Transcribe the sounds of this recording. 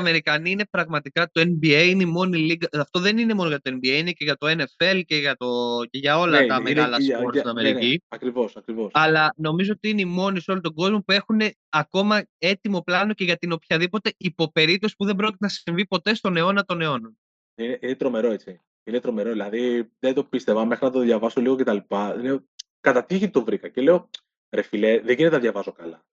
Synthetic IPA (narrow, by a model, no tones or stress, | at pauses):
ɐme̞ɾikɐniine̞pɾɐɣmɐt̪ikɐt̪o̞enbiejinemo̞niliɣɐɐft̪o̞ðe̞nine̞mo̞noʝɐt̪oembiejineceʝɐt̪oe̞ne̞fe̞lceʝɐt̪o̞ceʝɐo̞lɐt̪ɐmeɾiɐlɐsoɾsst̪inɐmeɾiciɐkɾivo̞sɐkɾivo̞sɐlɐno̞mizo̞ot̪iineimo̞niso̞lot̪oɡo̞zmo̞pue̞xune̞ | ɐko̞mɐe̞t̪imo̞plɐno̞ce̞ʝɐt̪ino̞pçɐðipo̞t̪e̞ipo̞pe̞ɾip̚t̪o̞si̥puðe̞mbɾo̞c̬ʲit̪enɐssiɱvipo̞t̪e̞st̪one̞o̞nɐt̪o̞ne̞o̞nɐ | ineʔinet̪ɾo̞me̞ɾo̞e̞t͡si | inet̪ɾo̞me̞ɾo̞ðilɐðiðed̪opist̪e̞vɐmexɾinɐt̪oðʝɐvɐsoliɣocet̪ɐlipɐine | kɐt̪ɐt̪içit̪ovɾikɐcele̞o | ɾefileðeʝinet̪enɐðʝɐvɐzo̞kɐlɐ